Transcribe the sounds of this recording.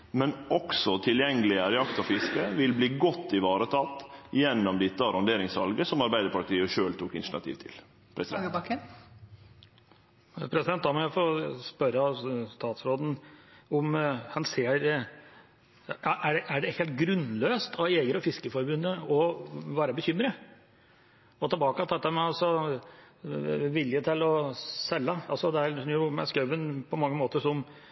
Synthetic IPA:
mɛnɔksɔt̪ʰɪljɛŋːəlɪəɾɛɑkt̪ɑfɪskəʋɪlbliːɡɔt̪ːɪʋɑːɾət̪ʰɑːt̪jɛnːɔmd̪ɪt̪ːəɑɾɑnd̪eːɾɪŋsʋɑ̰lɡəsɔmɑɾbæɪd̪əɾpɑʈ̪iːəʃøːlt̪ʰuːkɪ̰nɳɑ̰t̪ʰḭːʋt̪ʰɪ̰l | pʰɾɛs | pʰɾɛsɪd̪ɛnt̪̚ɑmɔʊfospœɾəɑst̪ɑːt̪sɾoːd̪n̩ʊmhɑnseːɾ | ɑʔæɖɛʔæɖɛheːlt̪̚ɡɾʉnːløːst̪ʰɑʋeːɡəɾɔfɪskəfɔɾbʉnːəɔʋæːɾəbəçʏmːɾə | ɔt̪ʰɑbɑːkɑt̪ʰɑt̪ːəmɛɑlsɔ | ʋɪljət̪ʰɪlɔsɛlːɑɑlsɔd̪ɛæɾjʊmɛ̰skœʋənpʰɔmɑŋːəmoːt̪əʂɔm

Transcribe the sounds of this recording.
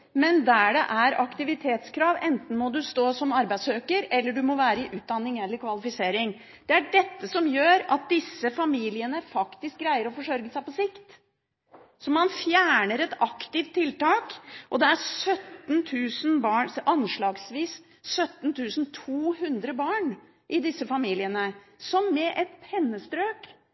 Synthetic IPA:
mɛnd̪æɖɛ̰ʔæɾɑkt̪ɪʋɪt̪ʰeːt̪skʰɾɑːʋɛnt̪n̩mɔd̪ʉst̪oːsɔmɑɾbæɪsøːkəɾɛlːəɖʉmɔʋæːɾəɪʔʉːt̪̚d̪ɑnːɪŋɛlːəɾkʰʋɑlɪfɪseːɾɪŋ | d̪̥ɛæɖɛt̪ːəsɔmjøːɾɑt̪̚d̪ɪsːəfɑmiːlɪənəfɑkt̪ɪsk̚ɡɾæɪəɾɔfɔʂɔɾɡəsæɪpɔsɪkt̪ | sɔmɑnfjæːɳəɾɛt̪ɑkt̪ɪft̪ʰːɪlt̪ɑːkʔɔd̪ɛæɾsœt̪ːnt̪ʰʉːsnbɑːɳʔɑnʂɭɑːɡsʋiːs | sœt̪ːnt̪ʰʉːsnt̪ʰuːhʉnd̪ɾəbɑːɳ | ʔɪd̪ɪsːəfɑmiːlɪənə | sɔmːɛʔɛt̪pʰɛnːəst̪ɾøːk

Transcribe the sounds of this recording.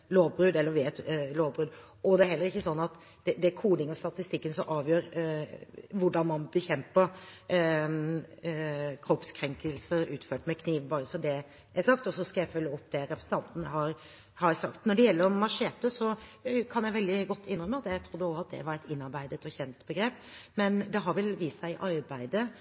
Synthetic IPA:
loːʋbɾʉd̪ɛlːəɾʋɛɛt̪loːʋbɾʉːd̪ | ɔd̪ɛæɾhɛlːəɾɪçːəsɔnːɑt̪ | d̪ɛd̪ɛkʰuːd̪ɪŋɔst̪ɑt̪ɪst̪ɪkːənsɔmʔɑːʋjøːɾ | ʋʊɖɑnmɑnbɛçɛmpəɾ | kʰɾɔpskʰɾɛŋkəlsəʉːt̪føːʈmɛkʰniːʋbɑːɾəsɔd̪ɛ | æsɑkt̪ɔsɔskɑjæɪfœlːəɔpːd̪ɛɾɛpʰɾəsn̩t̪ɑnt̪n̩əɦɑɾ | hɑɾsɑkt̪nɔɖɛjɛlːəɾɔmɑʂeːt̪əsɔkʰɑnjæɪʋɛld̪ɪɡɔt̪ʰːɪnɾœmːəɑt̪jæɪt̪ʰɾʊd̪ːəoːɑt̪̚d̪ɛ̰ʋɑɾɛt̪ʰɪnːɑɾbæɪd̪ət̪ɔçɛnt̪bəɡɾeːp | mɛnd̪ɛɦɑɾʋɛlʋiːsæɪʔɑɾbæɪd̪ə

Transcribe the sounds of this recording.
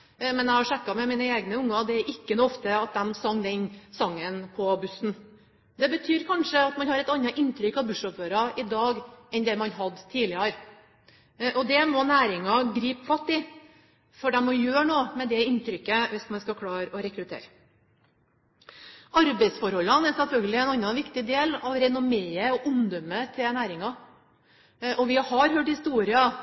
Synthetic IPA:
mɛnæɪhɑʂɛkːɑmɛmiːnəeːɡnəʊŋːɑd̪ɛæɾʔɪkːənuːɔft̪əɑt̪̚d̪ɛmsɑŋːd̪ɛnsɑŋːənpʰɔbʉsn̩ | d̪ɛbət̪ʰyːɾkʰɑnʂəɑt̪mɑnhɑɾɛt̪ɑnːɑʔɪnːt̪ʰɾʏkɑbʉʂɔpføːɾɑɪd̪ɑːɡɛnd̪ɛmɑnɦɑd̪t̪ʰiːlɪɑɾ | ʔɔd̪ɛmɔnæːɾɪŋɑɡɾiːpfɑt̪ːɪ | fɔɖɛmɔjøːɳoːmɛd̪ɛɪnt̪ɾʏkːəʋɪsmɑnskɑkʰɽɑːɾɔɾɛkɾʉt̪ʰḛːɾ | ɑɾbɛɪsfɔɾhɔlːɑnæɾsɛlfœlɡəlɪɛnɑnːɑʋɪkt̪ɪd̪eːlɑʋɾɛnʊmeːəɔʔʊmd̪ɔmət̪ʰɪnæːɾɪŋɑ | ʔɔʋɪhɑɾhøːʈhɪst̪uːɾɪɑ

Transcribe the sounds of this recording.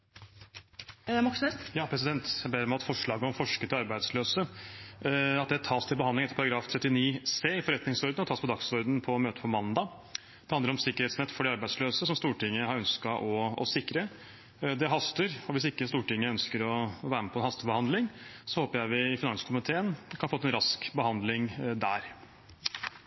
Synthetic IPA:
mɑksɛst̪jɑːpʰɾɛs̬ɪd̪ɛnt̪jæɪbeːɾəmæɑt̪fɔʂɭɑːɡəɔmfɔʂkət̪ɪlɑɾbæɪd̪sløːsə | ɑt̪̚d̪ɛæʈʰɑːst̪ʰɪlbəhɑnd̪ɪŋɛt̪ːəpʰɑɾɑɡɾɑːft̪ʰɾɛt̪ːɪniːseːɪfɔɾɛt̪nɪŋsɔɾd̪ənɔt̪ʰɑːspʰɔd̪ɑksɔɾd̪n̩pʰɔmøːt̪əpʰɔmɑnd̪ɑ | d̪̥ɛhɑnd̪əɾɔmsɪkəɾheːt̪snɛt̪ːfɔɖɛɑɾbæɪd̪sløːsəsɔmst̪uːʈɪŋːəhɑɾœnskɑʔɔɔ̰sɪkːɾə | d̪ɛɦɑst̪əɾɔʋɪs̬ɪkːəst̪uːʈɪŋːəœnskəɾɔʋæːɾməpʰɔɛnhɑst̪əbəhɑnd̪lɪŋsɔhoːpəɾjæɪʋɪɪfɪnɑŋskʰʊmɪt̪ʰeːənkʰɑnfoːt̪ːɛnɾɑskbəhɑnd̪lɪŋd̪æ̰ːɾ

